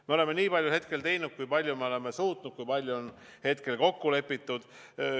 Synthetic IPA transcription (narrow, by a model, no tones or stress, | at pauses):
meo̞le̞mːe̞niːpɑlʲjuhe̞t̪̚ke̞lt̪e̞jnud̪̥̚kujpɑlʲjumeo̞le̞mesuːt̪nud̪̥̚kujpɑlʲjuon | he̞t̪ke̞lko̞kːule̞pːˑit̪ːˑud̪̥